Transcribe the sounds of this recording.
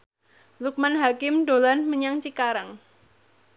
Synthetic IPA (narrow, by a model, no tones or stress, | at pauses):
luk̚manɦakɪmɖo̤lanməɲaŋt͡ʃikaɾaŋ